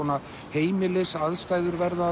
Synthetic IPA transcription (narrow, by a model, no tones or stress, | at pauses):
ɔna | heːjmɪlɪsaðst̪aːjðʏɾvɛɾða